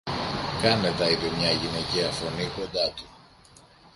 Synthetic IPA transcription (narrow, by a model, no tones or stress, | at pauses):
kɐme̞t̪ɐit̪emɲɐʝine̞ciɐfo̞niko̞nd̪ɐt̪u̥